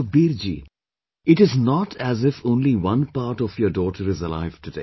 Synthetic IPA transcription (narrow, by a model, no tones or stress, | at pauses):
biːɾd͡ʒḭː | ɪʈɪznɔːʈʰæzɪfõːnliʋʌ̃npaːɾʈɔfjəːɾɖɔːʈəɾɪzəla̰ɪʋʈudḛː